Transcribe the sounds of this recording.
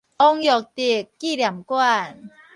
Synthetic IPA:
ʔɔ˧ŋjɔ˨˩k̚t̪i˨˩kːiː˥˩lja˨˩˦mkwa˥˩n

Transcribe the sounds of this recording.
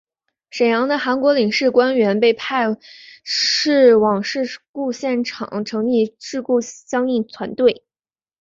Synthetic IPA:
ʂe˨˩jɑ˧˥ŋd̪ə˧xa˧˥nkwɔ˧˥li˨˩ŋʂɻ̩˥˩kwa˥nɥɛ˧˥npe˥˧ɪpʰa˥˧ɪ | ʂɻ̩˥˩wɑ˨˩ŋʂɻ̩˥˧ku˥˧ɕjɛ˥˩nʈ͡ʂʰɑ̰˨˩˦ŋʈ͡ʂʰɤ˧˥ŋli˥˧ʈ͡ʂɻ̩˥˧ku˥˩ɕjɑ˥ŋi˥˩nt͡sʰwa˧˥nt̪we˥˩ɪ

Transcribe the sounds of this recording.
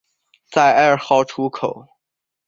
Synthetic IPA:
t͡sa˥˩ɪa˥˩xɑ˥ʊʈ͡ʂʰu˧˥kʰo˨˩˦ʊ

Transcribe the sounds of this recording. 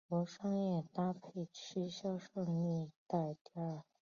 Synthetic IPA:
kwɔ˧˥ʂɑ˥ŋjɛ˥˩t̪a˥pʰe˥˩ɪt͡ɕʰy˥ɕjɑ˥ʊʂɤ˥˧ŋni˥˧t̪a˥˧˩ɪt̪i˥a˥˩

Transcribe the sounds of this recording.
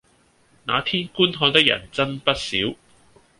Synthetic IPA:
na̰ː˨˧t̪ʰiː˥nkuː˥nɦɔː˧wt̪ɪ˥k̚jɐ̰˨˩nt͡sɐ˥npɐ˥t̚siː˨˥w

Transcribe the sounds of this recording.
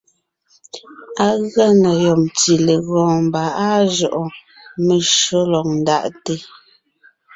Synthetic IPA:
a˦ɣa˦na˨jɔ˨mti˨le˨ɣɔ̃ː˨m˨ba˨a˦ʒɔ˨ʔɔ˨ | me˨ʃo˦lɔ˨ŋ̚n˨da̰˨ʔte˦

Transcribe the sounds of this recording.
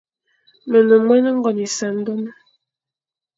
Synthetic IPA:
me˨nə˨mʷɛ˦nə˦ŋ̩˦ɡɔ˨ni˨sa˨n̩˦do˦nə˦

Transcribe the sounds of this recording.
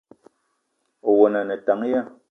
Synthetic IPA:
o˨wɔ˨na˨nɛ˨ta˨˦ŋ˦ja˦

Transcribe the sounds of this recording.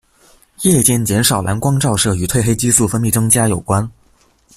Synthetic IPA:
jɛ˥˧t͡ɕjɛ˥˩nt͡ɕjɛ˧˥nʂɑ˨˩ʊlʔa̰˧˥nkwɑ˥ŋʈ͡ʂɑ˥˧ʊʂɤ˥˩y˨˩t̪ʰwe˥˧ɪxe˥ɪt͡ɕi˥su˥˩fə˥nmi˥˩ʈ͡ʂɤ˥ŋt͡ɕja˥jo˨˩ʊkwa˥n

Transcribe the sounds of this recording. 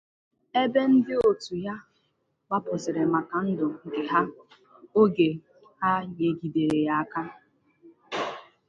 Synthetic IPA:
e˦be˦n̩˦dɪ˦o˨tu˨ja˦ | wʷa˦pʊ˨zɪ˨ɾɪ˨ma˨ka˨n̩˦dʊ˨ŋ̩˨ɡɪ˨ɦa˦ | o˦ɡe˨ | ha˦ɲe˨ɡi˨de˨ɾe˨ja˦a˦ka˦

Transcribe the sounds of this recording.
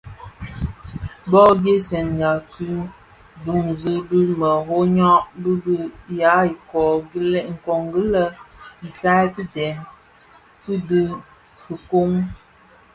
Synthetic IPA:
bɔ˦be˦sɛ˨nɡa˨kɨ˦ | bu˨ŋzə˦bɨ˦mə˨ɦo˦ɲɔ˦ʔbɨ˦bi˦ja˨˦i˨kɔ˨ɡi˦lɛ˦˨ŋ̩˨kɔ˨ŋɡə˦lə˦n̩˨sa˦kɨ˦dɛ˨n | kɨ˦dɨ˦ | fɨ˨ko˦ŋ

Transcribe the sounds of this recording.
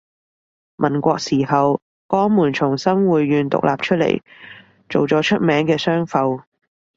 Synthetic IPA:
mʔɐ˨˩nkʷɔː˧k̚siː˨˩hɐ˨w | kɔː˨˥ŋmuː˨˩nt͡ʃʰʊ˨˩ŋsɐ˥mwuː˨jːyː˨˧nt̪ʊ̰˨k̚lʔa̰ː˨p̚t͡ʃʰɵ˥t̚lḛ˨˩j | t͡so˨wt͡sɔː˨˥t͡ʃʰɵ˥t̚mɛː˨˥ŋkɛː˧sœː˥ŋfɐ˨˧w

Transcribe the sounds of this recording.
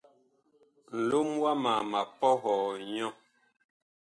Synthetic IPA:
n̩˨lo˦mwa˦ma˨ma˨pɔ˦ɣɔː˨ɲɔ̃˦

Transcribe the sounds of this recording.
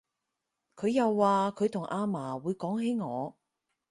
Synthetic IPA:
kʰɵ˨˧ɥjɐ˨˧wːaː˨˧kʰɵ˨˧ɥt̪ʰʊ˨˩ŋʔaː˧maː˨˩wuː˨˧˥jkɔː˨˥ŋɦe˨˥jŋɔː˨˧

